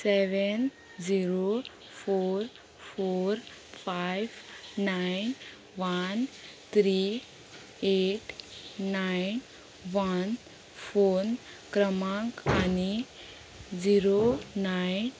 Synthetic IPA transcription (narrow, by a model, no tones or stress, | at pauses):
seʋen | d͡ʒiɾo | pʰoɾ | pʰoɾ | pʰajbnajn | ʋant̪ʰɾi | eʈnajn | ʋan | fʰon | kɾəmãkani | d͡ʒiɾonajn